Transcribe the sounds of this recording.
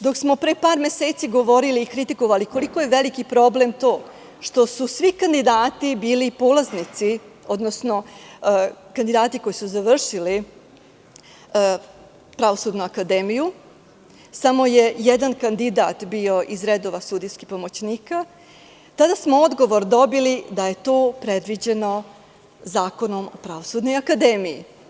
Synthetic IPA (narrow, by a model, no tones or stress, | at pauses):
d̪o̞ksmo̞pɾepaːɾme̞seːt̪siɡo̞ʋo̞ɾiliːkɾit̪iko̞ʋaliko̞likojeʋelikipɾo̞blemt̪o̞ː | ʃt̪o̞susʋikand̪id̪aːt̪ibiːlipoːlaznit̪sio̞d̪nosno̞ | kand̪id̪aːt̪iko̞jisuzaʋr̩ʃili | pɾaʋo̞sud̪nuakad̪eːmiju | samo̞je̞jed̪ankand̪id̪a̰ːt̪bio̞ʔizɾed̪o̞ʋasud̪ijskipo̞mo̞t͡ɕniːka | t̪ad̪asmoo̞d̪ɡo̞ʋo̞ɾd̪o̞bilid̪aje̞t̪o̞ːpɾe̞d̪ʋid͡ʑe̞no̞ | zaːko̞no̞mopɾaʋo̞suːd̪no̞jakad̪e̞mijḭ